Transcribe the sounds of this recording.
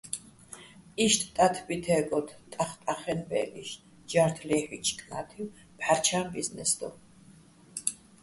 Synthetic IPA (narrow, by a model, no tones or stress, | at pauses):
iʃt̪ʰʼt̪ʼat̪ʰbit̪ʰɛɡɔt̪ʰt̪ʼaχt̪ʼaχɛnbɛ̰lḭʃ | d͡ʒaɾt̪ʰlɛħit͡ʃʰʼkʼnat̪ʰiw | pʰaɾt͡ʃʰambiznɛsd̪ɔ̰